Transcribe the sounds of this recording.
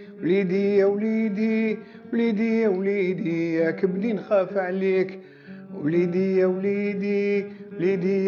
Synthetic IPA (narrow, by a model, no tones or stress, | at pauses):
wlid̪əjːawlid̪i | wlid̪əjːawlid̪əjːakæbd̪inxæfʕlik | wlid̪əjːawlid̪iwlid̪əjː